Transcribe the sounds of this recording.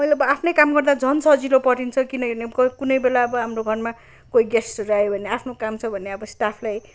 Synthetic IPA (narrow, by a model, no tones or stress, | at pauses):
mʌjleʌbʌapʰnʌjkamɡʌrd̪ad͡zʱʌnsʰʌd͡zilopʌʈint͡sʰʌkinʌnekʌkunʌjbelaʌbʌɦamroɡʱʌrma | koiɡesrajobʱʌneapʰnokamt͡sʰʌbʱʌneʌbʌsʈapʰlaj